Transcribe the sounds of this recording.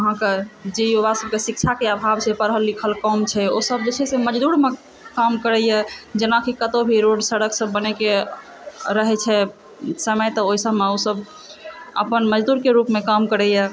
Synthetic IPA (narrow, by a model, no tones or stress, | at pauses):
əɦãked͡ʒeioɾasəb̚kesik̚t͡ʃʰakeabʱabt͡ʃʰɛpəɾɦəlːikʰəlkɔmt͡ʃʰɛosəbd͡ʒet͡ʃʰɛseməd͡ʒd̪uɽme | kamkəɾɛjɛd͡ʒenakʰikət̪obʱiɾoɖsəɽəksəbːənɛke | ɾəɦɛt͡ʃʰɛ | səməjt̪ɔoɦisəbʱmeosəb | ə̰pənməd͡ʒd̪uɾkeɾupmekamkəɾɛjɛ